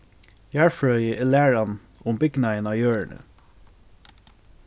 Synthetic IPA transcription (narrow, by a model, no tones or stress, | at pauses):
jɑːɹfɹœʏəɛlæːɹɑn | ʊmbɪɡnɑɪnɑːjøːɹəɳə̰